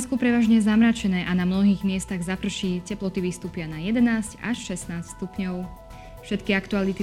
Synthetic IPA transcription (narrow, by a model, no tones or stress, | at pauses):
nskupɾɛʋaːʒɲɛzamɾat͡ʃɛnɛːʔanamnɔɦiːɣmɪɛst̪aɣzapr̩ʃicɛplɔt̪iʋist̪uːpɪanajɛd̪ɛnaːsca̰ʃʃɛsnaːsst̪upɲɔʊ | fʃɛt̪kiakt̪ualit̪i